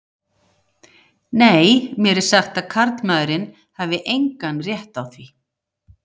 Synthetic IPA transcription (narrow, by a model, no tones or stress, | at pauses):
neːjmjɛɾɪɾ̥saxt̪aðkʰaɾt̪maðɾɪn | hɛvɪʔejŋkanrjɛht̪awθvi